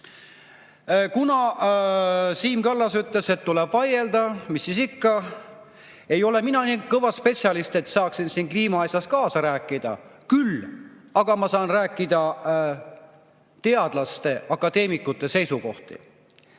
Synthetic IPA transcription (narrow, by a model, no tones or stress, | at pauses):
kunɑ | siːmkɑlːɑsyt̪le̞se̞t̪ːulɛb̥vɑje̞ld̪̥ɑmisːisikːɑ | e̞jo̞le̞minɑniːkɤvɑspe̞tsijɑlist̪e̞t̪sɑːksinsiːnkliːmɑɑsʲjɑskɑːsɑɾæːkːˑid̪ɑ̰kyl | ɑɡ̥ɑmɑsɑːnræːkːˑid̪ɑ | t̪e̞ɑd̪̥lɑst̪e̞ɑkːˑɑd̪e̞ːmikːˑut̪ːˑe̞se̞jsuko̞̰ht̪ḭ